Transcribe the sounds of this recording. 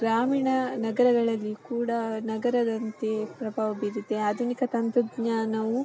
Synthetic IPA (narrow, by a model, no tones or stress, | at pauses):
ɡɾaːmiːɳɐnɐɡɐɾɐɡɐɭɐlːikuːɽɐnɐɡɐɾɐd̪ɐnt̪epɾɐbʱaːʋɐbiɾut̪ːeaːd̪ʱunikɐt̪ɐnt̪ud̪ɲaːnɐʋu